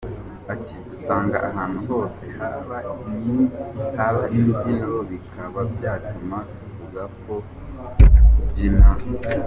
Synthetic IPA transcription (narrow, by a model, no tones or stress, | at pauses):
atidusaːŋɡa̰ʔaɦaːn̥huho̞ːse̞haβaimihaβaʔinzinooβikʰaβabjaːtumakuvuɡakʰo̞ | ɟima